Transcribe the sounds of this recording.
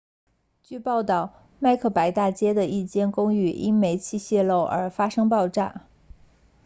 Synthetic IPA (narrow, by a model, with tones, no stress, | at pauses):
t͡ɕy˥˧pɑ˥˧ʊt̪ɑ˥˩ʊ | ma˥˧ɪkʰɤ˥˩pa˧˥ɪt̪a˥˩t͡ɕjɛ˥d̪ə˨i˥˩t͡ɕjɛ˥nkʊ˥ŋy˥˩ʔi˥nme˧˥ɪt͡ɕʰi˥˧ɕjɛ˥˧lo˥˩ʊʔə̰˞˧˥fa˥ʂɤ˥ŋpɑ˥˧ʊʈ͡ʂa̰˥˩